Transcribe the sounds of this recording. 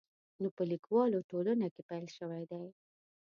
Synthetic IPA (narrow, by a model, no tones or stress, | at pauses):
nopəlikwɑloʈolənakepajlʃəwajd̪aj